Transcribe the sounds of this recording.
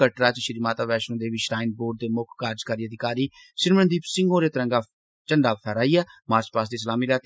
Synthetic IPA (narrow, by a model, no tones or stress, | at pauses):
əʈɾaːt͡ʃʃɪɾiːmaːt̪aːʋɛːʃnõːd̪eːʋiʃɾaːɪn̚boːɖ̚d̪eːmʊkʰːaːɾd͡ʒkəɾiːəd̪ɪkaːɾiː | ʃɪɾmənd̪iːpsɪ̃ŋɡõːɾeːt̪əɾə̃ŋɡaː | t͡ʃəɳɖaːpʰɛːɾaːiːɛːmaːspaːs̬d̪iːs̬əlaːmiːlaːt̪